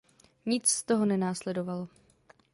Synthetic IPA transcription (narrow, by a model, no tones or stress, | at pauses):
ɲɪt͡sst̪o̞ɦo̞nɛnaːslɛdo̞valo